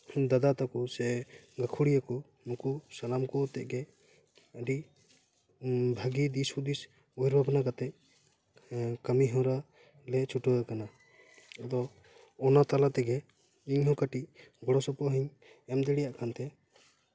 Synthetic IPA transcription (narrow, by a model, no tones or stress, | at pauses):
d̪ad̪at̪akɔsɛɡakʰuɽijakɔ | mukusalamkɔt̪ɛʔ̚ɡɛ | əɖi | bʱaɡid̪isud̪is | ɔiɾbabanakat̪ɛc̚ | kəmiɦɔ̃ɾa | lɛt͡ʃʰuʈɔɡakana | ɔd̪ɔː | nat̪alat̪ɛɡɛ | iɲɦɔ̃kaʈiʔɡɔɽɔsɔpɔɦiɲ | ɛmd̪ɛɽijaʔkʰant̪ɛ